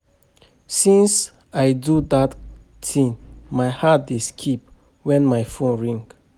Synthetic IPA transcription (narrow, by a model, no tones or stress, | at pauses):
sĩns | ajdudat | tʰĩŋmajhat̚deskʰip̚ | wɛ̃nmajfõnɹĩŋɡ